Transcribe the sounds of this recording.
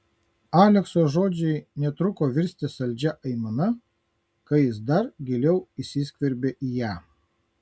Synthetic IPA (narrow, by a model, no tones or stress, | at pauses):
ɑːlʲɛksoːʒoːd͡ʒʲɛɪnʲɛt̪ɾʊkoːʋʲɪɾʲsʲt̪ʲɪsɐlʲd͡ʒʲɛʔɐɪmɐnɐ | kɐjɪsd̪ɐɾɡʲɪlʲɛʊisʲiːsʲkʲʋʲɛɾʲbʲeːʔiːjæː